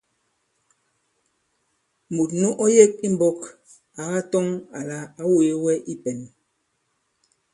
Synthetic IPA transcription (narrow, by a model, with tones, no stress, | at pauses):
mu˨t̚nu˦ʔɔ˦je˦k̚i˦m̩˦bɔ˦k | a˨ɣa˦tɔ˦ŋa˨la˨a˦wo˨je˦wɛ˦ʔi˦pɛ˨n